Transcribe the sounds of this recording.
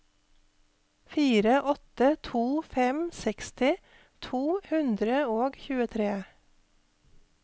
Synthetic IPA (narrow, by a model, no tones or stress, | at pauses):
fiːɾəʔɔt̪ət̪ʰuːfɛmsɛkst̪ɪ | t̪ʰuːhʉnd̪ɾəoːɡçʉːət̪ʰɾeː